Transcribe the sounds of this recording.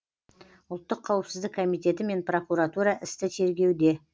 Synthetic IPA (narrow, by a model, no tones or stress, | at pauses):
ʊlˠt̪ːəqʰːɑwəpsɪzd̪ɪkʰːo̞mijt̪e̞t̪ɪme̞npro̞kuɾat̪uɾɑʔɪst̪ɪt̪ʰe̞ɾɡʲe̞wd̪e̞